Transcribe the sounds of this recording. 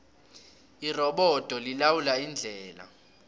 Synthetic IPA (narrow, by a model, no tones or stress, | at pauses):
irɔɓɔd̥ʱɔlilawulaind͡ɮʱɛːla̰